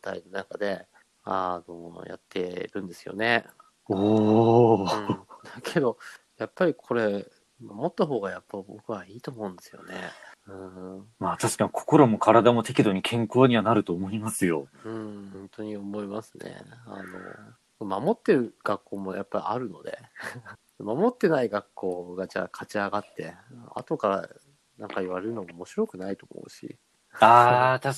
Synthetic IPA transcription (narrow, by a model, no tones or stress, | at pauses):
t̪a̰inonakad̪e̞ | ano̞ja̰t̪ːe̞ɾɯ̟̃nd̪e̞sɨ̥jo̞̰ne̞ | oː | d̪akʰe̞d̪o̞ | japːaɾʲikʰo̞ɾe̞ | mamo̞t̪ːaɦo̞ːɡajapːaibo̞kɯ̟βaiːt̪o̞ːmõ̞nd̪e̞sɨjo̞̰ne̞̰ɯ̃maːt̪aɕi̥kaɲʲikʰo̞̥ko̞ɾo̞mo̞kʰaɾad̪amo̞t̪e̞kʲid̪o̞ɲ̟ikʰẽ̞ŋko̞ːɲ̟iβanaɾɯ̟t̪o̞ːmoimasɨjo̞ɯ̟̃hõnt̪o̞ɲ̟iomo̞imasɨnḛa̰no̞̰ | komamo̞t̪ːe̞ɾɯ̟ɡ̥akːo̞ːmo̞japːaɾʲḭaɾɯ̟no̞d̪e̞̰ | mamo̞t̪ːe̞naiɡakːo̞ːɡad͡ʑa̰ːkʰat͡ɕiaɡat̪ːe̞a̰t̪o̞kaɾa̰ | nãŋkaiβaɾe̞ɾɯ̟no̞moːmoɕiɾo̞kɯ̟nait̪o̞ːmo̞̰ɯ̟ɕḭ | aːt̪a